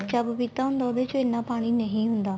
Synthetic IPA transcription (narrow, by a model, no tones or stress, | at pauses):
t͡ʃəbpiːt̪aːɦʊ̃nd̪aːd̪eːt͡ʃoenːaːpaːɽ̃iːnəɦĩːɦʊnd̪aː